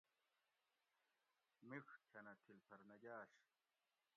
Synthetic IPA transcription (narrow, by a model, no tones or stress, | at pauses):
mixkʰɐnɐt̪ʰilpʰɐɾnɐɡaːɕ